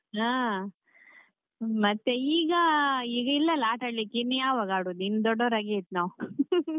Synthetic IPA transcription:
aː | mɐt̪ːeiːɡɐiːɡɐilːɐlaːʈɐɽlikinːjaːʋaːɡaːɽud̪inːd̪ɔɖːoːɾaːɡeit̪ːnaʋu

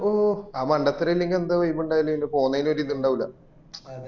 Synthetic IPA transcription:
oːaːmɐɳɖɐt̪ːɐɾɐilːeŋɡilend̪aʋɐjimːuɳɖaːjilːeinepoːnːɐjinɐɾiːðiuɳɖaːʋilːɐ

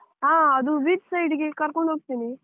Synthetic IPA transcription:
ɦaːɐd̪uʋidsɐjɖiɡekɐɾkoɳɖɦoːɡ̚t̪ini

